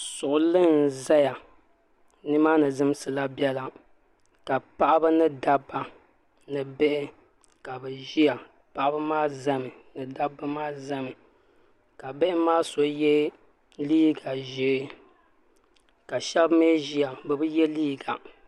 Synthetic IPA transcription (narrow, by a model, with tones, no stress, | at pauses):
sʊ˨ʔʊ˨lɨ˦n˨za˦ja˨ | nɨ˦maː˦nɨ˨zɨ˦m˦sɨ˨la˦bjɛ˦la˦ | ka˨pa˦ʔa˦bɨ˦nɨ˦da˦bːa˨ | nɨ˨bɛ˦ʔɪ˦ | ka˨bɛ˨ʒi˦a˨ | pa˨ʔa˦bɨ˦maː˦za˦mɨ˨nɨ˨da˦bːɨ˦maː˦za˦mɨ˨ | ka˨be˦ʔɪ˦maː˦so˨jɛ˦ | liː˦ɡa˨ʒi˦ | ka˨ʃɛ˦bme˦ʒi˦a˨bɨ˨bɨ˦jɛ˦liː˦˨ɡa˨